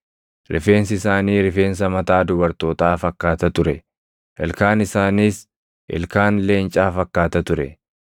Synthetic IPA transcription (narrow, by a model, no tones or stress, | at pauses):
ɾʔɪfe̞ːns̬ɪɪsaːniːɾɪfe̞ːns̬ɐmɐt̪aːd̪ʊbɐɾt̪o̞ːt̪aːfɐkːaːt̪ɐt̪ʊɾɛ | ʔɪlkaːnɪsaːniːs | ʔɛ̰lkaːnleːnt͡ʃʼaːfɐkːaːt̪ɐt̪ʊɾɛ̰